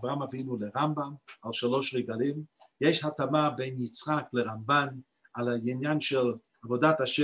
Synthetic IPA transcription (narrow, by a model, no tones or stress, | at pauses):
vʁamavinuləʁambamalˠʃaloʃʁɛɡalimjɛʃhatamabeɪnit͡sχakləʁamban | alainjanʃɛl | avodat̪aʃɛ